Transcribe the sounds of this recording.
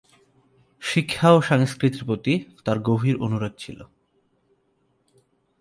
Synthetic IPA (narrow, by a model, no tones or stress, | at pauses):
ʃikʰːaoʃaŋskɾit̪iɾpɾot̪it̪aɾɡoɦiɾonuɾod̪̚t͡ɕʰḭlo̰